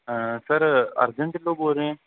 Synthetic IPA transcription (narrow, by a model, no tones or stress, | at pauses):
səɾɐ̰ɾd͡ʒəɳʈloːboːɾẽː